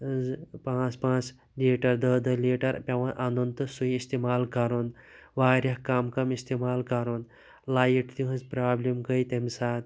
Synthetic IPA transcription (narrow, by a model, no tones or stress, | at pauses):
zpãːt͡spãːt͡s | liːʈɐɾd̪əd̪ɐliːʈɐɾpʲɐʋɐnʔɐnd̪unt̪ɨsuiist̪imaːlkɐɾun | ʋaːɾʲɐhkaːmkɐmist̪imaːlkɐɾund̪ | laːjiʈt̪iɦɐzpɾaːblʲimkɐjt̪emsaːt̪